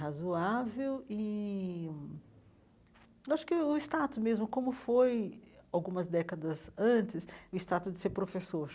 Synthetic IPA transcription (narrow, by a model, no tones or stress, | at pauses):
ɦazuavewɪ | ewaʃʊ̥kɪʊɪst̪at̪ʊsmezmʊkõmʊfojawɡũmɐzd̪ɛkɐd̪ɐzɐ̃t͡ʃɪsʊɪst̪at̪ʊzd͡ʒɪseɾpɾofesoɾ